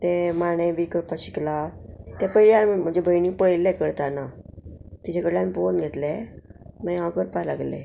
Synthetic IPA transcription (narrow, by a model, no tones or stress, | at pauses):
t̪emaɽ̃əjbiːkəɾpaɕiklat̪ɛpəjljanm̤əd͡ʑebʱəjniŋpəɭlɛkəɾt̪ana | t̪it͡ɕʰekəɽlãnponɡʱet̪lɛmãɦãkəɾpala̰ɡlḛ̃